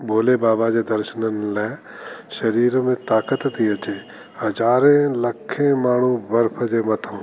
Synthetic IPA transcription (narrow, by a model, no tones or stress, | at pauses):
bʱoːlebaːbad͡ʑed̪ɐɾʃənənlɛː | ʃɐɾiːɾmẽt̪aːkət̪ːijət͡ʃe | hɐd͡ʒaːɾẽlɐkʰːẽmaːɳ̤̃ubɐɾpʰəd͡ʑeːmɐt̪ʰõ